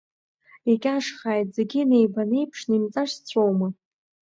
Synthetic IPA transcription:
ekʲʼaʂχaːjtze̞ɡʲine̞jbanejpʰʂnimt͡sʼaʂst͡sʷʰowma

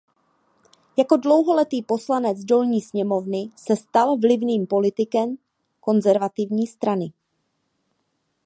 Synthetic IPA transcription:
jako̞dlo̞wɦo̞lɛt̪iːpo̞slanɛd͡zdo̞lɲiːsɲɛmo̞vnɪsɛst̪alvlɪvniːmpo̞lɪt̪ɪkɛm | ko̞nzɛɾvat̪ɪvɲiːst̪ɾanɪ

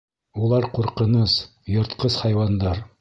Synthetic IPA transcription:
ulˠɑɾquɾqɤ̆nɤs | jŏɾt̪qɤshɑjwɑnd̪ɑɾ

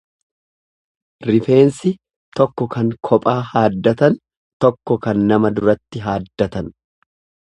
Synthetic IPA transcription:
ɾɪfe̞ːnsɪ | t̪ɔkːɔkɐŋkʰɔpʼaːhaːd̪ːɐt̪ɐn | t̪ɔkːɔkɐnːɐmɐd̪ʊɾɐt̪ːɪɦaːd̪ːɐt̪ɐn

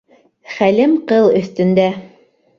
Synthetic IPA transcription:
χælɘmqɤlˠɵ̆θt̪ɵ̆nd̪æ

